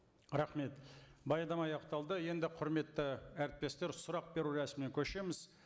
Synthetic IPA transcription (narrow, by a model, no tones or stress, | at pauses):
ɾɑχme̞t̪bɑjɑd̪ɑmɑjɑqt̪ɑlˠd̪əje̞nd̪ɪqʰʊɾme̞t̪ːɪæɾɪt̪̚p̪ʲːe̞st̪e̞ɾsʊɾɑq̚be̞ɾuɾæsmɪnekʲʰɵʃe̞mɪz